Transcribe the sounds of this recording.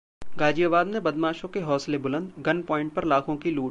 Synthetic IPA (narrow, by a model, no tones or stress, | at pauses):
ɡaːd͡ʒijəbaːd̪nẽbɐd̪maːʃõkeɦɔːslebʊlə̃nd̪ɡɐnpɔ̃ːɪ̃ɳʈ̚pɐɾlaːkʰõkiluːʈ